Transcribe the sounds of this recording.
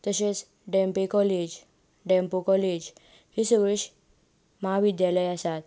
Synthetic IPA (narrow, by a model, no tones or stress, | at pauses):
t̪əɕet͡s | ɖɛmpekɔled͡ʑ | ɖɛmpokɔled͡ʑ | hisəɡɾeɕ | maɦaʋid̪jaləjasat̪